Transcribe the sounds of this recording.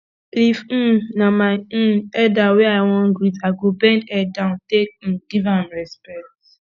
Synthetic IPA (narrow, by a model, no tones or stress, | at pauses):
if̩namaɪ̃ɛdaweaɪwɔ̃nɡɹitaɡobɛ̃ndɛdãʊ̃ntek̩̚ɡ̥ivãmɹɛspɛk̚t